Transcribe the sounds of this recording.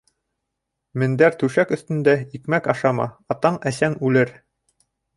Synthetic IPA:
mɘ̆nd̪æɾt̪ʉʃækɵ̆θt̪ɵ̆nd̪æikmækɑʃɑmɑ̰ɑt̪ɑɴæsæŋʉlɘɾ

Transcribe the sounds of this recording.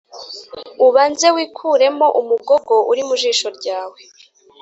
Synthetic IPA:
uβaːnze̞wiːkʰuːɾe̞mo̞ʔumuɡo̞ɡo̞ʔuɾimuʒiːʃo̞ɾɟaːwe̞

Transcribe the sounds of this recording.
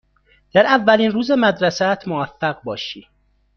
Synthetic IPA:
d̪̥æɾævːæliːnɾuːzemæd̪ɾæsæt̪ʰmovæfːæɣbɒːʃiː

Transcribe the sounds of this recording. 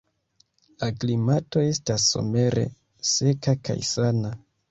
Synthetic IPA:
laklimato̞e̞stasːo̞̰me̞ɾe̞̰ | se̞kaka̰jsana

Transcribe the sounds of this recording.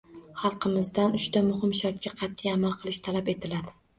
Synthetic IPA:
χɑlˠqʰɨmɪzd̪anʊʃt̪amʊhɪmʃaɾt̪̚ʲkʲaqʰɑt̪ʰːɪjamalˠqʰɨlˠɪʃt̪ʰalape̞t̪ʰɪlad̪ɪ

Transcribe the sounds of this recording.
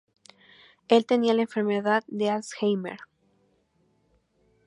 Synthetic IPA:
e̞lt̪e̞nialaeɱfe̞ɾmeðaðd̪ealsxejmḛɾ

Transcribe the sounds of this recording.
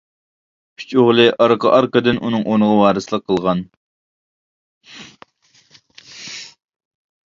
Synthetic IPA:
kʲʰy̥t͡ʃoʁlˠɨʔɑɾqʰɑ̰ʔɑɾqəd̪ɨnʔunɨŋʔonəʁɑwɑːɾɨsɨlˠəqʰːəlˠʁɑn

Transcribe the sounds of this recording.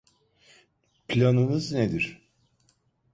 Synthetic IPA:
pʰlʲanɯmɯzned̪iɾ̥

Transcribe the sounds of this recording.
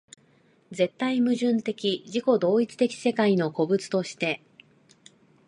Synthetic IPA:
ze̞t̪ːaimɯ̟ʑɨ̃nt̪e̞kʲid͡ʑiko̞d̪o̞ːit͡sɨ̥t̪e̞kʲi̥se̞kaino̞ko̞bɯ̟t͡sɨ̥t̪o̞ɕi̥t̪e̞

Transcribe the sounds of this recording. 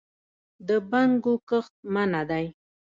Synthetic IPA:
d̪əbaŋɡokəχt̪̚manad̪aj

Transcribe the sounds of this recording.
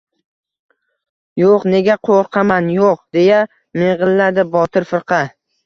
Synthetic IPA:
joqne̞ɡʲaqʰoɾqʰɑmanjoqd̪e̞ja | meʁɨlːaɾd̪ɪbɒt̪ʰɪɾfɨɾqʰɑ

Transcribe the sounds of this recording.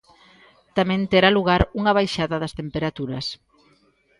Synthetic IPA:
t̪amɛ̃nt̪eɾaluɣaɾuŋɐβajʃaðɐðɐst̪empeɾat̪uɾɐs

